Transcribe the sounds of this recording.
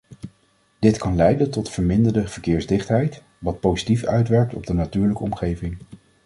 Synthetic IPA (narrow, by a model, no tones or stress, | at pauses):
d̥ɪtkɑnlɛjdəntɔtfəɹmɪndəɹdəv̥əɹkɪːɹzdɪχtɦɛjt | ʋɑt̚powzitifœɥtʋɛɹk̚tɔb̚dənatyːɹləkəɔmχejvɪŋ